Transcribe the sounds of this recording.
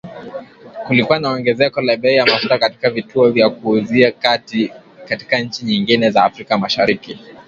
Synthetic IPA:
kulikuwanaɔŋɡɛzɛkɔlaɓɛijamastakati̥kavituɔvjakuːziakatikati̥kaɲ̩t͡ʃiɲiŋɡinɛzaːfɾikamaʃaɾiki

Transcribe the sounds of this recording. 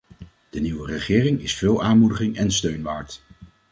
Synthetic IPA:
d̥əniwərəχɪːrɪŋɪsfɪːlˠaːnmudəχɪŋɛnstøɥnʋaːɹt

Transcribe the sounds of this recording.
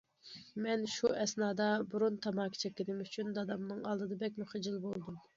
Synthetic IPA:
mɛnʃuʔɛsnɑːd̪ɑbuɾunt̪ʰɑmɑːkʰi̥t͡ʃʰɛkʲːɪnɪmyt͡ʃʰynd̪ɑd̪ɑmnɨŋɑlˠd̪ɨd̪ɑbɛk̬̚ʲmuχɨd͡ʒilˠbolˠd̪um

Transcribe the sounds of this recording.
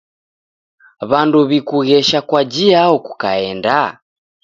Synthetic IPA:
βanduβikuɣɛʃakwad͡ʒiaɔku̥kaɛnda

